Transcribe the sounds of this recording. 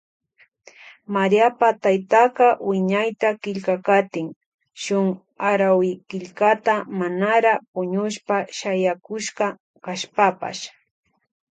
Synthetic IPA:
maɾiapat̪ajt̪aqɑwɪɲajt̪akɪʎkakat̪ɪŋ | ʃʊŋ | aɾawɪkɪʎkat̪amanaɾapʊɲʊʃpaʃajakʊʃqɑ | kaʃpapa̰ʃ

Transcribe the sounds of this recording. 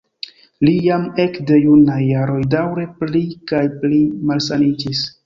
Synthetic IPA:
lijame̞kde̞junajːaɾo̞jdawɾe̞plikajplimalsanid͡ʒis

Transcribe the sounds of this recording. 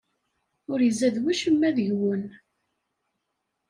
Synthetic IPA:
ʊɾjəzæðwæʃəmːæðəʝwən

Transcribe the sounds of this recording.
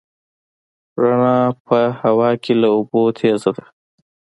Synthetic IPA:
ɾaɳɑpəhawɑkʰelaobot̪ʰezad̪a

